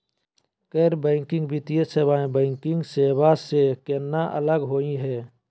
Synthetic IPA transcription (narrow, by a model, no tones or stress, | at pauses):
keːɾbəɪŋkɪ̃ŋɡbit̪ijəseːbaẽbəɪŋkɪŋɡseːbasekenːaʔə̰ləɡɦoːĩɦɛː